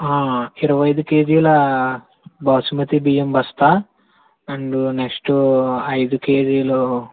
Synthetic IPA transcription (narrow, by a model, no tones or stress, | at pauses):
ãːiɾɐʋɐjd̪ukeːd͡ʒiːlɐ | bɐʋsumɐt̪ibijɐmbɐst̪aː | ɐɳɖuneksʈuɐjd̪ukeːd͡ʒiːlɐ